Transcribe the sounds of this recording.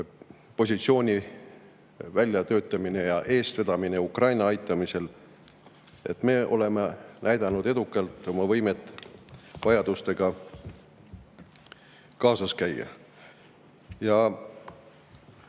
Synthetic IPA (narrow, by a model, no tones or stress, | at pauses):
po̞s̬ʲit̪sio̞ːnʲi | vælʲjɑt̪ø̞ːt̪ːˑɑmine̞jɑʔe̞ːst̪ved̪̥ɑmine̞ukrɑjnɑɑjt̪ˑːɑmise̞l | e̞t̪ːˑme̞ːʔo̞̰le̞menʔæjd̪̥ɑnud̪̥e̞d̪ukːˑɑlt̪ˑo̞mɑvɤjmet̪ːˑ | vɑjɑd̪̥ust̪e̞ɡ̥ɑ | kɑːsɑskæjːɑ̰ | jɑ